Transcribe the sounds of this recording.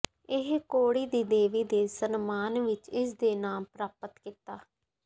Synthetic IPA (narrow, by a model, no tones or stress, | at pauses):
ɪɦkoːɽiːd̪iːd̪eːʋiːd̪eːsənmaːnʋɪt͡ʃɪs̬d̪eːnaːmpɾaːpət̪kɪt̪aː